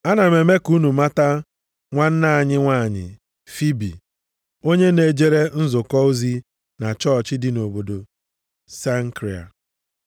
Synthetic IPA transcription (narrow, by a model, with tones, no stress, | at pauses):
a˦na˨me˨me˦ku˦nu˨ma˦ta˦ | ŋʷa˦n̩˦na˦a˨ɲɪ˦ŋʷa˦˨ɲɪ̰˨ | fi˦bḭ˨ | o˦ɲe˦ne˨d͡ʒe˦ɾe˦n̩˦zʊ˨kɔ˦o˦zi˦ | na˨t͡ʃɔ˦˨t͡ʃɪ˦dɪ˨no˨bo˨do˨ | sa˦ŋ̩˦kɾi˨a̰˨